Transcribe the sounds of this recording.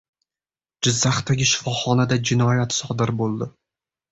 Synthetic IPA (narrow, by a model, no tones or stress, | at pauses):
d͡ʒɪzːaχt̪aɡʲɪʃɪ̥fɒχɒnad̪ad͡ʒɪnɒjat̪sɒd̪ɪɾbolˠd̪ɪ